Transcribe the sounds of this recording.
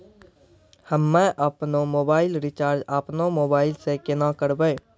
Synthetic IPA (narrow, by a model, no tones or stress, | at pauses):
həmːɛ̃ʔəpnomoːbaːɪlɾɪt͡ʃaːɾd͡ʒaːpnomoːbaːɪlsekɪnakəɾbeː